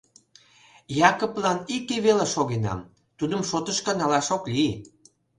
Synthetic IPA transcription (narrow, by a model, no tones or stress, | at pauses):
jɑkoplɑnikeβeleʃoɣenɑ̰m | t̪ud̪ə̆mʃot̪əʃkənɑlɑʃokli